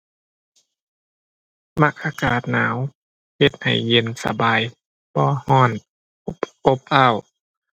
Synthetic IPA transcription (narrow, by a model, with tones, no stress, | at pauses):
ma˧˩k̚ʔaː˧kaː˨˩t̪̚naː˨˦w | he˧˦t̪̚ha̰˨˩jːe˧˩nsa̰˧baː˨˧˨j | bɔː˧˦hɔː˧˥˩n˦ | po˧˦p̚ʔa˧˥˩w